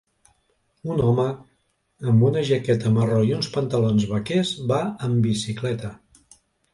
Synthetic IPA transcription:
unɔməː | mbunəʒəkɛt̪əməroiunspənt̪əlonzβəkezβaəmbisiklɛt̪ə

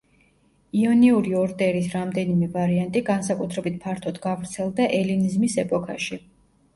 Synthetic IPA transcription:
iɔniuɾiɔɾd̪ɛɾisɾamd̪ɛnimɛvaɾiant̪ʼiɡansakʼut̪ʰɾɛbit̪̚pʰaɾt̪ʰɔd̪ɡavɾt̪sʰɛlˠd̪aʔɛlinizmisɛpʼɔkʰa̰ʃi

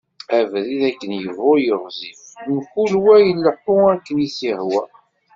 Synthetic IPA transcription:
ævðiðækːənjəvʊjəʁzifmkulwæjəlːəħʊækːənjisihwæ

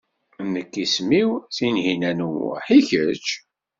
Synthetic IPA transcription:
nːəkːismiwθinɦinænṵħiçət͡ʃ

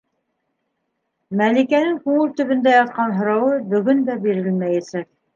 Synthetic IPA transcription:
mælikænɘŋkʉŋɘlt̪ɵ̆βɵ̆nd̪æjɑt̪̚qɑnɦŏɾɑwɤbɵ̆ɡɵnd̪æbiɾɘlmæjæsæk̚

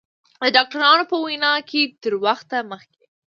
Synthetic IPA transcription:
d̪əɖɑk̚ʈaɾɑnopəwajnɑkʰet̪əɾwaxt̪aməxke

